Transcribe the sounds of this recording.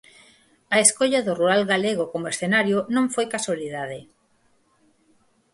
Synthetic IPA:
ɐeskoʎaðʊruɾalɣaleɣokomoesθenaɾjonõŋfojkaswaliðaðe

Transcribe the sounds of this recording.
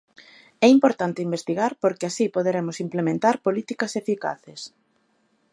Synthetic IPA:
ɛimpoɾt̪ant̪eimbest̪iɣaɾpoɾkɪasipoðeɾemʊsimplemẽnt̪aɾpolit̪ikɐsefika̰θes

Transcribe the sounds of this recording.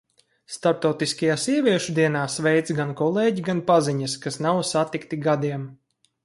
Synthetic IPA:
st̪aɾp̚t̪awt̪iskajaːsiɛvʲiɛʃud̪iɛnaːsvɛjt̪ɡankɔlˠeːɟiɡanpaziɲɐskasnawsat̪ikt̪iɡad̪iɛm

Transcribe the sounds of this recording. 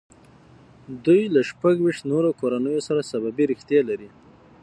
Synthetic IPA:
d̪ujlaʃpaɡwiʃt̪noɾokoɾanəjosaɾasababiɾixt̪jɑlaɾi

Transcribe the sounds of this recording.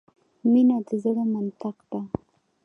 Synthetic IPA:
minad̪əzəɽomant̪aqd̪a

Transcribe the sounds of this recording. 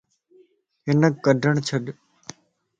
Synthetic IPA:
ɦɪnəkːəɖʱəɳ̃t͡ʃʰəɗ

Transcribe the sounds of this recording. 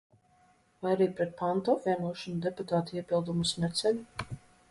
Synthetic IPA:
vajaɾiːpɾɛt̪̚pant̪ɔviɛnuɔʃɔnud̪eput̪aːt̪iɛpilˠd̪umusmɛt̪sɛlʲu

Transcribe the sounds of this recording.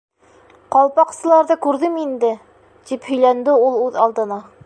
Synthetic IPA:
qɑlˠpɑqsɤ̆lˠɑɾðɤkʉɾðɘmind̪ɘ | t̪iphɵ̆jlænd̪ɘulˠʉðɑlˠd̪ɤ̆nɑ

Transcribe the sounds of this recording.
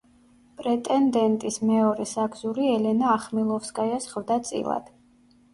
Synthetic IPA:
pʼɾɛt̪ʼɛnd̪ɛnt̪ʼismɛɔɾɛsaɡzuɾiɛlɛnaːχmilˠɔfskʼajasχvd̪at̪sʼḭlˠa̰d̪̥

